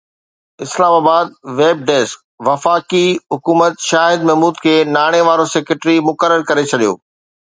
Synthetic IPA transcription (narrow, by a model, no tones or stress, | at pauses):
ɪslaːmaːbaːd̪̚ʋeːb̚ɖeːsk̚ | ʋɐfaːkiɦʊkuːmət̪ʃaːɦɪd̪mɛɦmuːd̪kʰeːnaːɽ̃eʋaːɾoseːkeʈɾimʊkəɾəɾkɐɾet͡ɕʰɐɗijo̰ː